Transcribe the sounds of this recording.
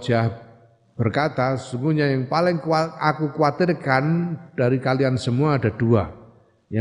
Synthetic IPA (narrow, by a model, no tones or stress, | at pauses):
d͡ʒah | b̥ərkat̪aəsuŋɡuɲajaŋpalɪŋkaakukuat̪ɪrkand̥aɾikaliansəmuaːdadua | ja